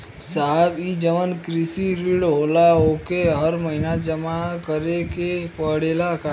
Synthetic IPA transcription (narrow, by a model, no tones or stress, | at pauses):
saɦbid͡ʒəʋənkɾɪsiɾiɽɦoːlaɦokeɦəɾməɦinad͡ʒəmakəɾekepəɽeːlaka